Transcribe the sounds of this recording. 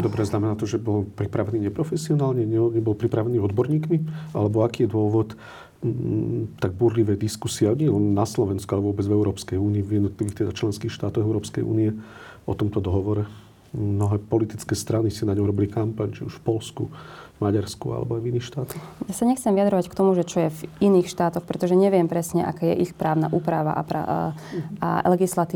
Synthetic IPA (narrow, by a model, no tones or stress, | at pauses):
d̪ɔbɾɛznamɛnaːt̪ɔʒɛbɔlpɾipɾaʋɛniːɲɛpɾɔfɛsiɔnaːlɲɛɲɛɲɛbɔlpɾipɾaʋɛniːɔd̪bɔɾɲiːkmia̰lɛbɔakiːjɛd̪ʊɔʋɔt̪ | t̪aɡ̚buɾliʋɛːd̪iskusiɛaɲɛɛlɛnːaslɔʋɛnskualɛʋʊɔbɛd͡zvɛʊɾɔːpskɛjuːniːvjɛd̪nɔt̪liʋiːxt̪ɛd̪at͡ʃlɛnskiːxʃt̪aːt̪ɔɣɛʊɾɔːpskɛjʔṵːniɛ | ɔt̪ɔmt̪ɔd̪ɔɦɔʋɔɾɛ | mnɔɦɛːpɔlit̪it͡skɛːst̪ɾanisinaɲɔmɾɔbilikampaɲt͡ʃiuʃfpɔlskṵvmaɟaɾskṵa̰lɛ̰bɔajviniːxʃt̪aːt̪ɔxjasaɲɛxt͡sɛmʋijad̪ɾɔʋackt̪ɔmuʒɛt͡ʃɔjɛviniːxʃt̪aːt̪ɔxpɾɛt̪ɔʒɛɲɛʋɪɛmpɾɛsɲɛʔa̰kaːjɛ̰ʔixpɾaːʊnaʔuːpɾaʋa̰ʔa̰pa̰ | a̰lɛɡislat̪iː